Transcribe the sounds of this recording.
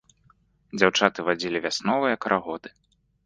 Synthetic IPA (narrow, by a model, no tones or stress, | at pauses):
d͡zʲawt͡ʂat̪ɨvad͡zʲilʲivʲasnɔvɨjɐkɾʔaɣɔd̪ɨ̥